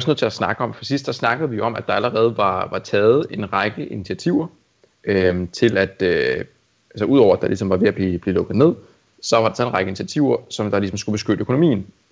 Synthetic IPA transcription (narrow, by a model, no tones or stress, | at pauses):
iɒsnøð̩ˠt͡sʰe̝æsnɑ̈ɡ̥əɒ̽mfɒsisd̥sɑsnɑ̈ɡ̥əð̩ˠʋijo̝ɒ̽mʔæd̥ɑ̈æləʁɛːð̞̩ˠʋɑ̈ʋɑ̈t͡sʰɛːð̞̩ˠe̝nʁɑ̈ɡ̥əʔinit͡sʰiæt͡sʰiʊ̰ɐ | ʔømt͡sʰe̝læd̥ø | ælsəʔuð̞ˠɒʊɐæd̥ɑ̈lisɒ̽mʋɑ̈ʋe̝æb̥lib̥liːlɔ̽ɡ̥ð̩ˠne̝ð̰ˠ | sɒ̽ʋɑ̥sʰɛenʁɑɪɡ̥əinit͡sʰæt͡sʰiʊɐsɒ̽md̥ɑ̈lis̬ɒ̽msɡ̥ub̥e̝sɡ̥øɾ̥əøkʰo̝no̝mḭːn̩